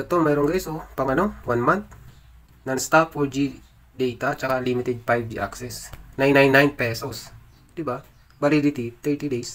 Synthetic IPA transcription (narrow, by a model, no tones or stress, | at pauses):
sɐt̪omɛːɾoŋɡɛsopɐŋɐno̞wanmant̪̚ | nɐŋst̪apfoɹd͡ʒi | d̪ɛjt̪at͡ʃɐkalimɪt̪ɛd̪̚fajb̚d͡ʒiʔa̰ksɛsnajnajnːajnpɛːsos | d̪̥ɪba | bɐlid̪ɪt̪it̪ɛɹt̪id̪ejs